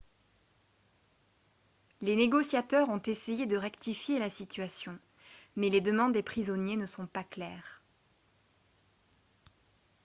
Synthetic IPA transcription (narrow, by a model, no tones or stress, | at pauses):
leneɡɔsjat̪œʁɔ̃t̪esejed̪əʁɛkt̪ifjelasit̪ɥasjɔ̃ | mɛled̪əmɑ̃d̪ːepχizɔnjenəsɔ̃paklɛːʁ